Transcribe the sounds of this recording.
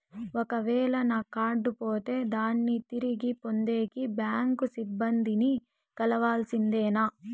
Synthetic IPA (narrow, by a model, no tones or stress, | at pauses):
ɔkɐʋɛːlɐnɐkaːɾɖupoːt̪e̞ːd̪aːnːit̪iɾiɡipond̪eːkibjaːŋkusibːɐnd̪ʱini | kɐlɐʋaːlsind̪eːnɐ